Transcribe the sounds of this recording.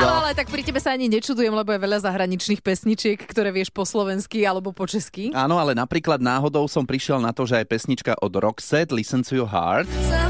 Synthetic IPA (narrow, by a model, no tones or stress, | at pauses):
aɔalɛt̪ak̚pɾicɛbɛsaaɲiɲɛt͡ʃud̪ujɛmlɛbɔjɛʋɛʎazaɦɾaɲit͡ʃniːxpɛsɲit͡ʃɪɛkːt̪ɔɾɛːʋɪɛʃpɔslɔʋɛnskialɛbɔpɔt͡ʃɛskiaːnɔalɛnapɾiːklad̪naːɦɔd̪ɔʊsɔmpɾiʃɪɛlnat̪ɔʒɛajpɛsɲit͡ʃka̰ʔɔd̪ɾɔksɛd̪lisɛnt͡sujuɦa̰ːɾt̪